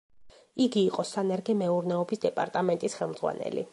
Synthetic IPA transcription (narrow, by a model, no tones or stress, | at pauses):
iɡiːqʼɔsanɛɾɡɛmɛuɾnɛɔbisd̪ɛpʼaɾt̪ʼamɛnt̪ʼisχɛlˠmd̪zʁwa̰nɛ̰lḭ